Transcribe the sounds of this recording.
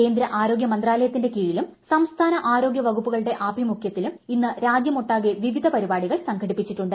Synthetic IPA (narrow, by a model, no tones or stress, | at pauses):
e̞ːnd̪ɾɐʔaːɾo̞ːɡjɐmɐnd̪raːlɐjɐt̪ːinde̞kiːɻilum | sɐmst̪ʰaːnɐʔaːɾo̞ːɡjɐʋɐɣupːuɣɐɭɽe̞ʔaːbʱimukʰjɐt̪ːiluminːɨɾaːd͡ʑjɐmo̞ʈːaːɣiɐʋiʋid̪ʱɐpɐɾibaːɽiɣɐɭsɐŋɡʰʱɐɽipːit͡ɕːiʈːuɳɖɨ